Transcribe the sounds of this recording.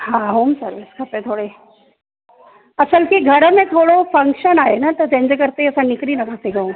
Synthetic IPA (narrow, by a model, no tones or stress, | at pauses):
ɦãɦoːmsɐɾʋɪskʰɐpẽt̪ʰoːɽe | ɐsəlkiɡʱɐɾmẽt̪ʰoːɽofɐ̃ŋkʃənaːɦenat̪ɐd͡ʒẽːɲd͡ʑkɐɾt̪eɦiɐsãnɪkɾinɐkɐɾt̪eɡɐũː